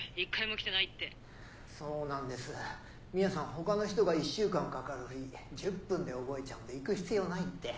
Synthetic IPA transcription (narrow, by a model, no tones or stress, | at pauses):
ikːaimo̞kʲi̥t̪e̞nait̪ːe̞ | so̞ːnãnd̪e̞sɨ | mʲinasãɰ̃ɦo̞kano̞çi̥t̪o̞ɡaiɕːɨːkãŋkakaɾɯ̟h̟id͡ʑɨpːɯ̃nd̪e̞o̞bo̞e̞t͡ɕaɯ̟nd̪e̞ikɯ̟çi̥t͡sɨijo̞ːnait̪ːe̞